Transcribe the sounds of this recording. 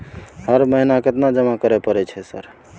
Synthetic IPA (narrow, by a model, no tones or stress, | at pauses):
həɾməɦinaket̪nad͡ʒəmakəɾɛpəɾɛt͡ʃʰɛsə̰ɾ